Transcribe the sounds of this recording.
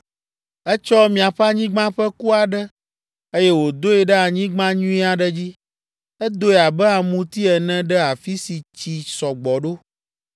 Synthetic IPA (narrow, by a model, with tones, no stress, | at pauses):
ɛ˦t͡ʃɔ˦mĩ˨a˨ɸa˦ɲĩ˦ɡ͡bã˦ɸɛ˦ku˦a˨ɖɛ˦ | e˦jɛ˦wo˨d̪o˦ɛ˨ɖɛ˦a˨ɲĩ˦ɡ͡bã˦ɲũ˦i˦a˨ɖɛ˦d͡ʑi˦ | ɛ˦d̪o˦ɛ˨a˨bɛ˦a˨mũ˦t̪i˦ɛ˨nɛ̃˦ɖɛ˦a˨fi˦si˨t͡ɕi˨sɔ˨ɡ͡bɔ˨ɖo˦